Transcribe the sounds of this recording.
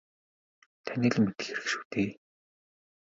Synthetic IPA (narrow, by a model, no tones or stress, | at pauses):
t̪ʰæniːɮmːet̪ɘ̥̆xeɾɘ̆kʃu̥ːt̪eː